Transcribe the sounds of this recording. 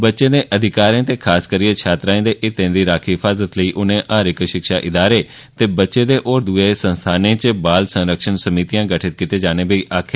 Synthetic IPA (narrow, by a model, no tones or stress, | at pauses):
bətːʃẽːd̪eːʔəd̪ʱɪkaːɾẽːt̪eːkʰaːskəɾiet͡ʃʰaːt̪ɾaːẽːd̪eʔɪt̪ẽːd̪iːɾaːkʰiɦɪfʰaːzət̪ləiːʔʊnẽːʔaːɾɪkʃɪkʃaːʔɪd̪aːɾeː | t̪eːbətːʃẽːd̪eːʔoːɾd̪uesə̃nst̪ʰaːnẽːt͡ʃəbaːlsə̃nɾəkʃənsəmiːt̪ijãːɡəʈʰɪt̪̚kɪt̪eːd͡ʒaːneːbeiːʔaːkʰɪɾ